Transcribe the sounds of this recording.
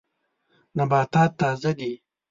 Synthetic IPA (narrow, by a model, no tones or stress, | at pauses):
nɐbaːt̪aːt̪ːaːzɐɡ̪i